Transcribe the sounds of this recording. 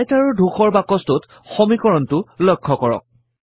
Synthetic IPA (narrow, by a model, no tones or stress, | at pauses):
ajtaɹɔɹdʱuxɔɹbakɔstʊt | xɔmikɔɹɔntʊlɔjkʰːɔkɔɹɔ̰k̚